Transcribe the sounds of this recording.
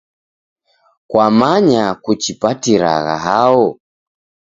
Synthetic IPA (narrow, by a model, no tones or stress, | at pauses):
kwamaɲakut͡ʃipatiɾa̰ɣa̰ɦaɔ